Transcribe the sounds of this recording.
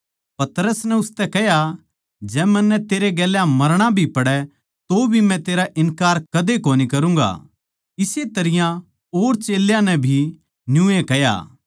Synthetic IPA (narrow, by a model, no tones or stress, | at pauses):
pɐt̪ɾəsnɛʊst̪ɛkɛja | d͡ʒɛːmɛ̃nːɛt̪eːɾeɡɛːljãmɐɾɽ̃abʱipɐɽɛ | t̪obʱimɛ̃t̪eːɾaʔɪnkaːɾkɐd̪ekoːnikɐɾũːŋɡa̰ | ɪset̪ɐɾɪjã | oːɾt͡ʃeːljãnɛ̃bʱi | njũːekɛja̰ː